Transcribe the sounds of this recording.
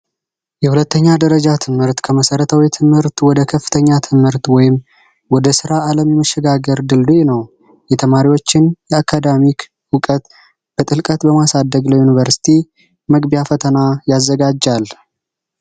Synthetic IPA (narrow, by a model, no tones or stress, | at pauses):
jɛhulət̪ːəɲːad̪əɾəd͡ʒat̪ʰɨmhɨɾt̪kʰəməsəɾət̪ʰawit̪ʰɨmhɨɾt̪wɔd̪əkʰəfːɨ̥t̪ʰəɲːat̪ʰɨmhɨɾt̪wɔjɪm | wɔd̪əsɨɾaːləmjɛməʃːɛɡaɡəɾd̪ɨld̪ujnəw | jɛt̪ʰəmaɾiwo̞t͡ʃːɪnjɛakʰad̪amik | wʊkʼət̪ | b̥ət̪ʼɨlkʼət̪bəmasad̪ːəɡləjunivəɾsi̥t̪ʰi | məɡbijafət̪ʰənajazːəɡad͡ʒːal